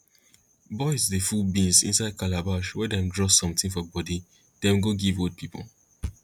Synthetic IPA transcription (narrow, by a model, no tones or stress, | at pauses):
bɔɪzdefulbĩnsḭ̃nsaɪd̚kʰalabaʊʃwɛdɛ̃mdɹɔsɔ̃mtĩŋfɔbɔdi | d̥ɛ̃mɡoɡivod̚pʰipʰo̰